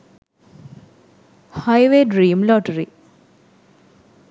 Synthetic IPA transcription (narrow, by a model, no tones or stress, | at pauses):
hajʋeːɖɾiːmlɔʈəɾi